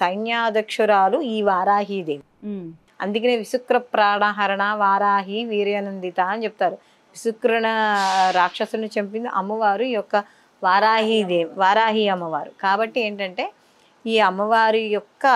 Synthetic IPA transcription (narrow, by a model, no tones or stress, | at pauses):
sɐjnjaːd̪ʱɐkʂɐɾaːluiːʋaːɾaːɦiːd̪eːmi | ɐ̰nd̪ukɐneːʋisukɾɐpɾaːɳaɦɐɾɐɳaːʋaːɾaːɦiʋiːɾjɐnɐnd̪it̪aːɐnit͡ʃepu̥t̪aːɾu | ʋisukɾɐɳɐɾaːkʂɐsɾɐnit͡ʃemp̬ind̪iʔɐmɐʋaːɾuijɔkːɐ | ʋaːɾaːɦid̪eːmʋaːɾaːɦiɐmːɐʋaːɾukaːbɐʈːie̞ːɳʈɐɳʈe̞ː | iːɐmɐʋaːɾujɔkːɐ